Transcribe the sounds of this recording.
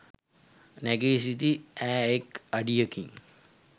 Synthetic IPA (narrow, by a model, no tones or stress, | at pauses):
neɡesit̪iɛːekɐɖijəkĩŋ